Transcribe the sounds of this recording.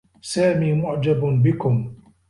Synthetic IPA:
saːmiːmʊʕd͡ʒabbɪkʊm

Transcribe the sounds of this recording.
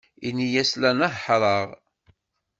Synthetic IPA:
inijæslænæɦħɾˤɑʁ

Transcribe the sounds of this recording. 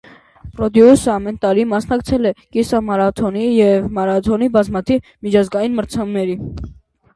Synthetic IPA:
rɔd̪iusəɑmɛnt̪ɑɾimɑsnɑkt͡sʰɛlɛkisɑmɑɾɑt̪ʰɔnijɛvmɑɾɑt̪ʰɔnibɑzmɑt̪ʰivmit͡ʃʰɑzɡɑjinməɾt͡sʰɑmnɛɾi

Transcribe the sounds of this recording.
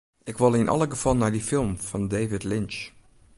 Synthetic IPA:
ʔɪkʋɪlˠɪnʔɑ̰ləɡəv̥ɑlˠnaɹdifɪlˠmv̥ɑndeːvɪtlɪnt͡ʃ

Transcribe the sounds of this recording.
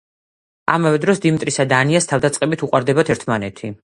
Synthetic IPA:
a̰mavɛd̪ɾɔsd̪imt̪ʼɾisad̪aːniast̪ʰavd̪at̪sʼqʼɛbit̪ʰuqʼwaɾd̪ɛbat̪ʰɛɾt̪ʰmanɛt̪ʰi

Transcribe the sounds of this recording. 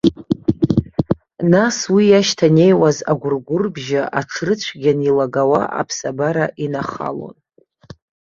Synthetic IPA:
naswijaʃtʰane̞jwazaɡʷʊrɡʷʊrbʒaʔaʈ͡ʂʰrɨt͡ɕʷʰɡʲanilaɡawa̰ʔa̰pʰsabaɾaʔinaχa̰lo̞̰n

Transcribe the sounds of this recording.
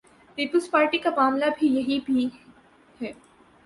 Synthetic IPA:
piːpəlzpaːɾʈikamaːmlabʱijɐɦibʱi | hɛː

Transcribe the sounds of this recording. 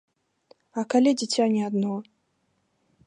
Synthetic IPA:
ɐkalʲɛd͡zʲit͡sʲanʲiad̪nɔ

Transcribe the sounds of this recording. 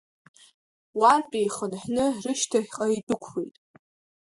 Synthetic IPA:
warpʼejχənħnɨrɨʃtʰaħqʼaidɨkʷʰwijtʼ

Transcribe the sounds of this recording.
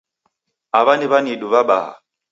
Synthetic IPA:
aβaniβaniɗuβaɓa̰ha̰

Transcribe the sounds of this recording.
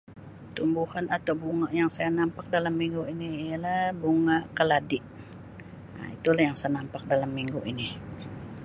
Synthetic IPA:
t̪umbuhanat̪awbuŋaʔjaŋsajanampak̚dalamːiŋɡuiniːjalahbuŋaʔkəladɪʔ | a̰it̪ulahjaŋsajanampak̚dalamːiŋɡuʔini

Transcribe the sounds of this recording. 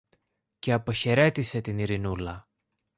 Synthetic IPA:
ce̞ɐpo̞çe̞ɾe̞t̪ise̞t̪iniɾinulɐ

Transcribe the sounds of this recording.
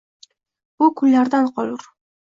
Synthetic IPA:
b̥ukʰʊnːaɾd̪anqʰɒlˠuɾ

